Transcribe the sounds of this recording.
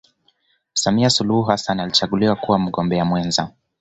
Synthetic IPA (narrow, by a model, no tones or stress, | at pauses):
samiasuluhuɦasanalit͡ʃaɠuliwakuwam̩ɡɔmbɛamwɛnza